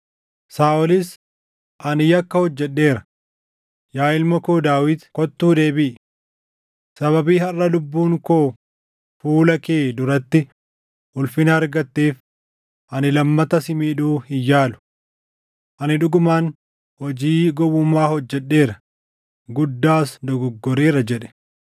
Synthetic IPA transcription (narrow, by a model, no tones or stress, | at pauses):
saːʔɔlɪs | ʔɐnɪjɐkːɐhɔd͡ʒːɛᶑːe̞ːɾɐ | jaːɪlmɐkoːd̪aːwɪt̪kɔt̪ːuːd̪e̞ːbɪʔɪ | sɐβɐbiːhɐrːɐlʊbːuːŋkoː | fuːlɐkeːd̪ʊɾɐt̪ːɪ | ʔʊlfɪnɐːɾɡɐt̪ːeːf | ʔɐnɪlɐmːɐt̪ɐsɪmiːᶑuːhɪjːaːlʊ̥ | ʔɐnɪᶑʊɡʊmaːn | hɔd͡ʒiːɡɔwʊmaːhɔd͡ʒːɛɗːe̞ːɾɐ | ɡʊd̪ːaːsd̪ɔɡʊɡːɔɾeːɾɐd͡ʒɛᶑɛ̥